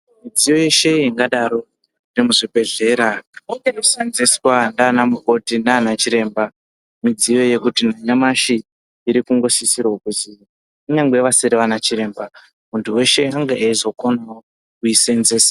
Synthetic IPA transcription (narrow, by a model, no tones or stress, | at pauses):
mid͡zijo̞je̞ʃe̞iŋɡaɗaɾo̞ | remuʐibʱe̞ɮe̞ːɾaŋenusenzeswandanamuko̞tinaːnat͡ʃiɾe̞ːmba | mid͡zijo̞je̞kutin̤aɲamaʃiː | ɾikuŋɡo̞ʃisirwokuzi | uneŋɡwe̞ʋasiɾiʋanat͡ʃiɾe̞ːmba | muntʰuwe̞ʃe̞aŋɡaaizo̞konao | kuisenzeːsa